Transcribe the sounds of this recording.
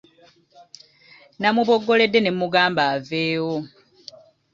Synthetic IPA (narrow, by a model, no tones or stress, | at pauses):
namuβo̞ɡːo̞le̞dːe̞nemuɡaːmbaːveːwo